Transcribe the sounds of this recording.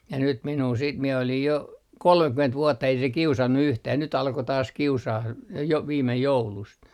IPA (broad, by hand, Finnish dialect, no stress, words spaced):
jɑ nyt minuː siːt mie olij jo kolmekyment ʋuotːɑ ei se kiusɑnːu yhtæː nyt ɑlko tɑːs kiusɑːh j jo ʋiːmej joulust